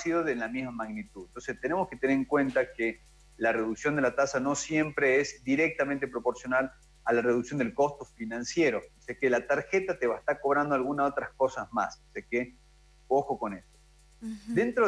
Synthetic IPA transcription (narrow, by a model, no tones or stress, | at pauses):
siðoðelamizmamaɣnit̪uðent̪o̞nsest̪ene̞mo̞sket̪eneɾeŋkwe̞nt̪ake | lareðuksjond̪elat̪asano̞sje̞mpɾeezd̪iɾek̚t̪amẽnt̪̬e̞pɾo̞po̞ɾsjo̞nal | alare̞ðuksjo̞nd̪e̞lko̞st̪o̞finãnsje̞ɾo̞osekelat̪aɾxet̪at̪eβaest̪aɾko̞β̞ɾand̪oalɣunaso̞t̪ɾasko̞sazma̰soseke | o̞xo̞ko̞nest̪o | d̪ent̪ɾo